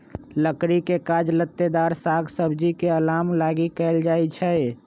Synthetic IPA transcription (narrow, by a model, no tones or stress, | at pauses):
ləkɾikekad͡ʒlət̪ːed̪aɾsaɡsəbd͡ʒikeəlamlaɡikɛɪld͡ʒaet͡ʃʰɛ